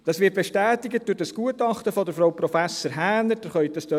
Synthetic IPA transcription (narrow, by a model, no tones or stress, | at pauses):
d̥ɑsʋɪːɾt̚beʃtæːtɪɡət̚d̥uːɾdɑsɡ̥uətɑχtəfɔdəɾfɾowpɾɔfæsəɾɦæːnəɾd̥əχœʏt̚dɑst̪ø